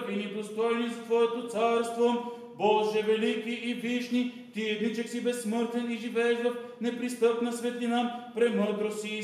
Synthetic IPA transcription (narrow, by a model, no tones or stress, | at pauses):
inid̪ost̪ɔjnizt̪vɔɛt̪ot̪saɾst̪vo | bɔlˠʒɛvɛlikiʔːviʃni | t̪iɛd̪nit͡ʃɛksibɛsːmɤɾt̪vɛniʒivɛɛʃvɐfnɛpɾist̪ɤpnɐsvɛt̪linapɾɛmɤɾd̪ɾosi